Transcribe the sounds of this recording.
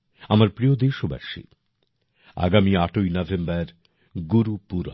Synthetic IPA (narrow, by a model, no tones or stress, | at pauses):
amaɾpɾijod̪eɾʃoba̰ʃḭ | a̰ɡamiaʈojnɔvʱembaɾ | ɡuɾupuɾa̰